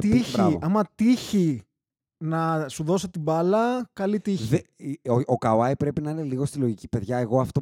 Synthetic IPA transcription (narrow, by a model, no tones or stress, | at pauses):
t̪içbɾiɐvoɐmɐt̪içi | nɐsuðo̞set̪ibɐlɐkɐlit̪içeokɐoɐipɾe̞pinɐine̞liɣo̞st̪ilo̞ʝicipe̞ðʝɐeɣo̞ɐft̪o